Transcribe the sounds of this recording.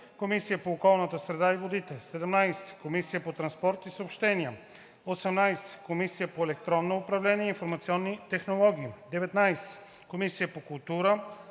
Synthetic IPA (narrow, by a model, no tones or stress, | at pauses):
komisijəpoːkɔlˠnət̪əsɾɛd̪aivod̪it̪ɛsɛd̪ɛmnajsɛ̥komisijəpot̪ɾɐnspɔɾt̪isəopʃt̪ɛniə | osɛmnajsɛ̥komisijəpoɛlɛk̚t̪ɾɔnːoʊpɾɐvlɛnʲiɛinfoɾmɐt̪siɔnːit̪ɛxnolˠɔɡʲiːd̪ɛvɛt̪najsɛ̥ | komisijəpokʊlˠt̪uɾə